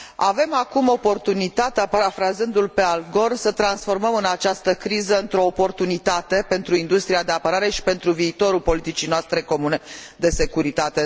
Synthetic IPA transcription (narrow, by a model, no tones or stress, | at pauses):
ave̞makumo̞po̞rt̪unit̪at̪eapaɾafɾazɨnd̪ulpe̞alɡo̞rsət̪ɾansfo̞rməmɨnat͡ʃast̪əkɾizəɨnt̪ɾo̞ːpo̞rt̪unit̪at̪e̞pe̞nt̪ɾuind̪ust̪ɾiad̪e̞apəɾaɾe̞ʃi̥pe̞nt̪ɾuviːt̪o̞ɾulpo̞lit̪it͡ʃijnoast̪ɾe̞ko̞mune̞d̪e̞se̞kuɾit̪at̪e̞